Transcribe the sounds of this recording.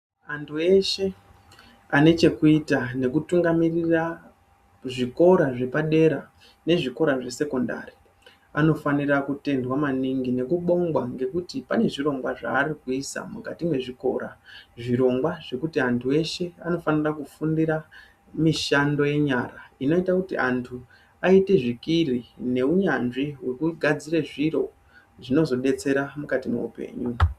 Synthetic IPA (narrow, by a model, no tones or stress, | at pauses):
antʰue̞ʃe̞ | ane̞t͡ʃe̞kuitane̞kutuŋɡamirira | ʐiko̞ɾaʐe̞paɗe̞ɾa | ne̞ʐiko̞ɾaʐe̞se̞ko̞nda̰ri | ano̞fanirakute̞ndwamaniŋɡine̞kuɓo̞ŋɡwaŋɡe̞kutipane̞ʐiɾo̞ŋɡwaʐa̰ːrikuisa̰mukatimwe̞ʐiko̞̰ɾaʐiɾo̞ŋɡwaʐe̞kutiantʰuwe̞ʃe̞ano̞fanirakufundiɾa | miʃando̞je̞ɲaraino̞itakutḭʔantʰu | aite̞ʐikirine̞uɲanʐiwe̞kuɡʱad͡zireʐiro̞ | ʐino̞zo̞ɗe̞t͡se̞ɾamukatimḛṵpe̞̰ɲu